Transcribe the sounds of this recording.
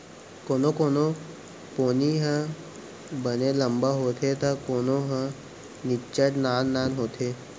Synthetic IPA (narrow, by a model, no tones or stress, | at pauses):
konokono | poniɦə̃ | bəneləmbəɦot̪ʰet̪əkonoɦə̃ | nit͡ʃəʈnanːanɦoːt̪ʰe